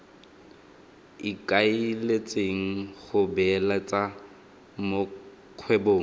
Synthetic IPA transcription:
ikʼailet͡sʼeŋ̩χʊbɛlat͡sʼa | mo | q͡χʰwɛboːŋ̩

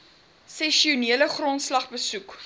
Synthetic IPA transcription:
sɛʃiuniələχrɔntslɐχbəsuk

